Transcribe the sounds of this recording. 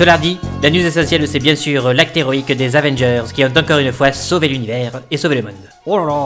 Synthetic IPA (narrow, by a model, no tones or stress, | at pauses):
səlaʁd̪ilanjuzesɑ̃sjɛlsɛbjɛ̃syʁlak̚t̪eʁɔikd̪ezavɛ̃nʒœʁzkʲiɔ̃t̪ɑ̃kɔʁynəfwasovelynivɛʁesoveləmɔ̃d̪ | o